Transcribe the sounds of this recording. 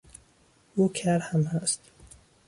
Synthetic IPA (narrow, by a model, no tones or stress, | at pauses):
ukʰæɾhamhast̪